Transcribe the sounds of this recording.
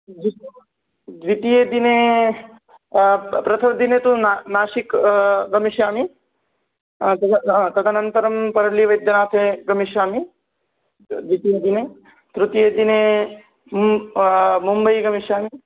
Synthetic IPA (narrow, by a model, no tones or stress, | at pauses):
d̪i | d̪ʋit̪ijeːd̪ine | pɾɐt̪ʰɐmd̪inet̪unanaːʃikɡɐmiʃjaːmi | t̪ɐɦãt̪ɐt̪ʰanɐnt̪ɐɾɐmpɐɾɐliʋɐjd̪jɐnaːt̪ʰeɡɐmiʃjaːmi | d̪ʋit̪ijed̪ine | t̪ɾut̪ijeːd̪ine | mumbɐjɡɐmiʃjaːmi